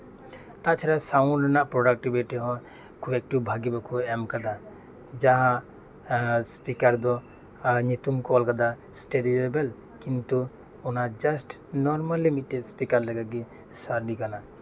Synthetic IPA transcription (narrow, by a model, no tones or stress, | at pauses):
t̪aʔt͡ʃʰɛɾasaunɾanaʔpɾɔɖak̚ʈibiʈiɦɔ̃ | kʰuɛk̚ʈiwbʱaɡibakʰuɛmkad̪a | d͡ʒaɦã | spikaɾd̪ɔ | ɲit̪umkɔlkad̪a | sʈeɖiebel | kint̪u | unad͡ʒasʈ | nɔɾmalːimiʈeɖspikaɾləɡaɡi | saɾɖikana